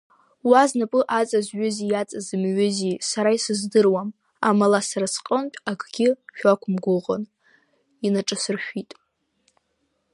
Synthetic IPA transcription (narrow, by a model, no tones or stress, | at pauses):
waznapʼɨʔat͡sʼazɥʏzijat͡sʼazɨmɥʏzisaɾaisɨzdɨrwam | amalasaɾasqʼəntʼaɡʰʼɡʲɪʃᶣakʷʰʼmɡʷʊʁə̰n | inaʈ͡ʂʼɨsɨrʃᶣʷitʼ